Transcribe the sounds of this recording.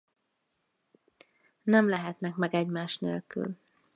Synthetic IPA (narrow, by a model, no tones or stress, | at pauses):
nɛmlɛɦɛt̪nɛkmɛɡɛɟmaːʃnḛːlky̰l